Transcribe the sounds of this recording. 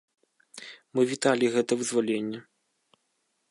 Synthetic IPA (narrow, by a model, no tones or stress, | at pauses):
mɨvʲit̪alʲiɣɛt̪ɐvɨzvɔlʲenʲːɛ